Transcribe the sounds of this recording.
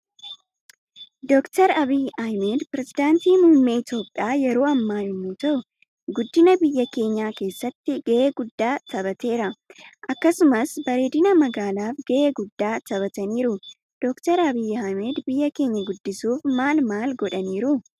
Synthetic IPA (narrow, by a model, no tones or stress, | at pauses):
d̪ɔkt̪ɐɾɐbiːajmeːd̪pɾɛzɪd̪aːnt̪iːmʊhɪmːeːɪt̪jo̞ːpʼːaːjɛɾo̞ːɐmːaːɪmːuːt̪ɐʔʊ | ɡʊd̪ːɪnɐbɪjːɐke̞ːɲːaːke̞ːsːɐt̪ːɪɡ̥eʔeːɡʊd̪ːaːt̪ɐbɐt̪e̞ːɾɐʔɐkːɐsʊmɐsbɐɾeːd̪ɪnɐmɐɡaːlaːfɡeʔeːɡʊd̪ːaːt̪ɐbɐt̪ɐniːɾʊ | d̪̥ɔkt̪ɐɾɐbiːhɐmeːd̪bɪjːɐke̞ːɲːɐɡʊd̪ːɪsuːfmaːlmaːlɡɔᶑɐniːɾʊ